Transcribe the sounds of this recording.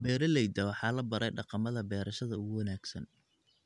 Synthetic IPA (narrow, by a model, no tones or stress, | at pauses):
bɛːɾɐlɛjd̪ɐwɑħɑːlɐbɐɾɛjɖɑqɑmɐðɐbɛːɾɐʃɐðɐʊɣʊwɐnaːɡsɐn